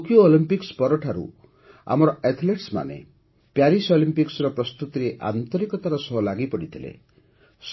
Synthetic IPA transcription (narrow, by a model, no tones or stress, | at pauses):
kijoolimpikspɔɾɔʈʰaɾṵ | a̰mɔɾɔet̪ʰleʈsma̰nḛ | pjaɾisolimpiksɾɔpɾɔst̪ut̪iɾeʔa̰nt̪ɔɾikɔt̪aɾɔsɔɦɔlaɡipɔɽit̪ʰilḛ | s